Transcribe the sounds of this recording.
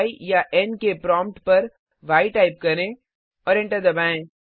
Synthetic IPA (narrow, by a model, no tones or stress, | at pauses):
ijaʔɛnkepɾɔ̃ːmpʈpɐɾ | ʋaːiʈaːɪp̚kɐɾẽ | ɔːɾɛ̃ɳʈəɾd̪ɐbaːẽː